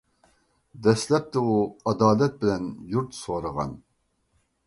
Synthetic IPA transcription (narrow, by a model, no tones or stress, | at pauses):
d̪ɛslɛp̚t̪ɪuɑd̪ɑːlɛt̪̚bɪlɛnjuɾt̪soɾəʁɑ̰n